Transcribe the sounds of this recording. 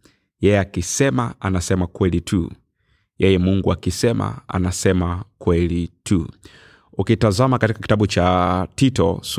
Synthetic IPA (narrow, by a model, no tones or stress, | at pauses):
jɛjɛakisɛmaanasɛmakwɛlitʰṵ | jɛjɛmuŋɡuakisɛma̰a̰nasɛmakwɛlitʰu | ukitazamakatikaki̥taɓut͡ʃatitɔ̰s